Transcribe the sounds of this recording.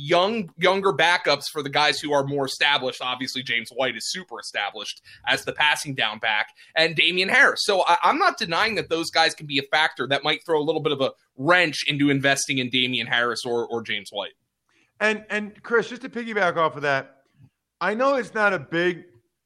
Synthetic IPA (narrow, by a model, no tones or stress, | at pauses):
jʌ̃ŋjʌ̃ŋɡə˞bækʌpsfə˞ðɨɡaɪz̥huə˞mɔɹɨstæbləʃtɑbviɨslid͡ʒẽɪ̃mzwaɪɾɨz̥sʉpə˞ɨstæ̰bləʃtʔɨzðɨpʰæsɪ̃ŋdãʊ̃nbæk | ʔɨ̃ndẽɪ̃miɨ̃nhɛɹɨsːoʊaʔãɪ̃mnət̚d̥ɨnaɪɪ̃ŋðɨt̪̚ðoʊzɡaɪz̥kʰn̩biɨfæk̚tə˞ðɨt̚maɪt̪̚θɹoʊəlɪɾl̩ˠbɪɾʌvə | ɹɛ̃nt͡ʃɪ̃ntʉɨ̃ɱvɛstɪ̃ŋɨ̃ndẽɪ̃miɨ̃nɦæɹɨsə˞ʔə˞d͡ʒẽɪ̃mzwa̰ɪt̚ | ɨ̃nɨ̃nkʰɹ̥ɪsd̥ʒ̥ʌstʰɨpɪkjɨbækɔfə˞ðæt̚ | aɪnoʊɨtsnəɾɨbɪɡ̚